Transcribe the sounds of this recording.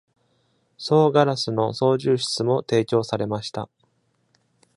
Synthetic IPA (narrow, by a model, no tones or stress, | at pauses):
so̞ːɡaɾasɨno̞so̞ːʑɨːɕi̥t͡sɨmo̞t̪e̞ːkʲo̞ːsaɾe̞maɕi̥t̪a̰